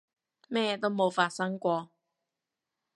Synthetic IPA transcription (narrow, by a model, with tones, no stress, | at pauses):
mɛː˥˧t̪o˥wmo˨˧wfaː˧t̚sɐ˥ŋkʷɔː˧